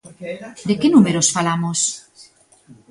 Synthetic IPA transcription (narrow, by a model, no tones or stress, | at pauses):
d̪ekenumeɾosfalamos